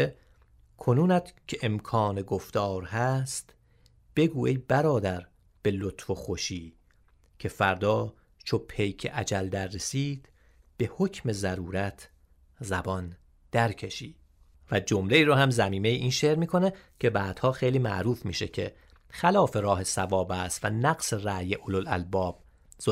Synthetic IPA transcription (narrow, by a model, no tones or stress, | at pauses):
e | kʰonuːnæt̪cʰe̞ʔemkʰɒːneɡoft̪ɒːɾhæst̪ | b̥e̞ɡuːejbæɾɒːd̪æɾ | b̥e̞lot̪ʰfoxoʃiː | cʰe̞fæɾd̪ɒː | t͡ʃʰopʰe̞jcʰḛʔæd͡ʒæld̪æɾːe̞siːd̪̥ | b̥e̞ho̞cʰme̞zæɾuːɾæt̪ʰ | zæbɒn | d̪̥æɾcʰe̞ʃiːd̪̚ | væd͡ʒomle̞iːɾɔːhæmzæmiːmejeʔiːnʃeːɾmiːkʰo̞necʰe̞bæːd̪̥hɒːxejliːmæ̰ʔɾuːfmiːʃe̞̰cʰḛ | xælɒːfe̞ɾɒːɦe̞sævɒːbæːst̪vænæɡse̞ræːjeʔololæ̰lbɒːb̥ | zo